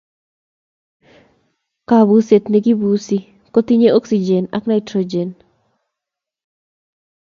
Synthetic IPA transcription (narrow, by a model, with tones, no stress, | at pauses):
ka˨βu˨se˨t̪ne˨ɡi˦bu˨si˦ | kɔ˦t̪i˦ɲe˦o˦ksi˨d͡ʒɛ˨na̰˦kna˦ɪtɾod͡ʒe˨n